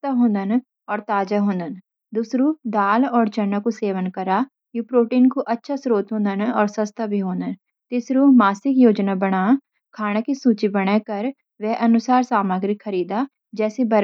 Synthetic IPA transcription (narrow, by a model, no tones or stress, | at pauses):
t̪aɦõːnd̪ən | ɔːɾt̪aːd͡ʒaɦõːnd̪ən | d̪ʊsɾuːd̪aːlɔːɾd͡ʒənːəkuseːʋənkəɾaː | juːpɾoːʈiːnkoʔətːʃʰasɾoːt̪ɦõːnd̪ənɔːɾsəst̪ʰabʱiːɦõːnd̪ən | t̪ɪsɾuːmaːsɪkjoːd͡ʒnaːbəɽ̃aː | kʰaːɽ̃akisuːt͡ʃibəɽ̃ɛkəɾ | ʋɛːʔənʊsaːɾsaːmaːɡɾɪkʰːəɾiːd̪aː | d͡ʒɛːsebəɾ